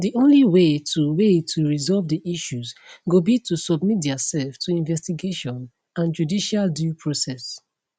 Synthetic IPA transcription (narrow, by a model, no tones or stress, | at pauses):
diʔõnliwetʰuwetʰuɹizɔlvdiʔiʃuzɡobitʰusɔbmit̚dɛsɛlftuĩnvɛstiɡeʃɔ̃n | ãnd͡ʒudiʃaldjupʰɹosɛs